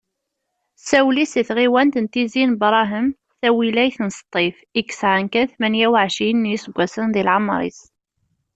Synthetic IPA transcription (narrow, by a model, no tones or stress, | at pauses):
sæwlisiθʁiwænt̪ənt̪izinbɾˤɑɦəm | θæwilæjθənst̪ˤːifikːə̥sʕənkæθmænjæwʕʃinːisəɡʷːæsənðilʕamɾˤḭs